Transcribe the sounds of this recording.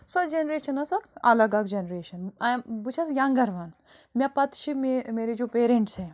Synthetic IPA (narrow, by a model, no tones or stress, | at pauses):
sɐd͡ʒenɾeːʃɐnɐsɐkɐ̰lɐɡɐkd͡ʒenɾeːʃɐnbut͡ʃʰɐs̬jaŋɡɐɾʋɐnmʲjɐ̃pɐt̪ʃʰimemeːɾed͡ʒoːpeːɾẽɳʈse